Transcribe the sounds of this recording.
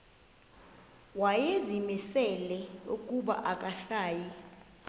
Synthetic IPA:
wajezimisɛlɛṵkʼuɓa̰ʔakʼaɬaːji

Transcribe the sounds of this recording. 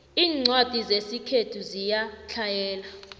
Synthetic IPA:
iːŋ͡ǀwad̥ʱizesikʰetʰuzijat͡ɬʰajɛːla

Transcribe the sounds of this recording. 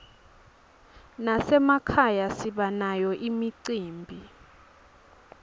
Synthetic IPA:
nasɛmakʰajasiɓanajɔʔimiǀiːmbʱi

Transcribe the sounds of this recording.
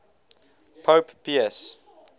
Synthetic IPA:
pʰoːppʰiɛs

